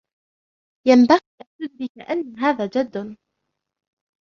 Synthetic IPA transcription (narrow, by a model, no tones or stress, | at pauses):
jambaɣilad͡ʒʊd̪̚bɪkaʔanːaɦaːðaːd͡ʒad̪ːʊ